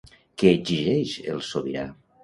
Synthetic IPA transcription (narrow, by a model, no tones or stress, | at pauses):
keːziʒɛʃḛlˠsoβiɾa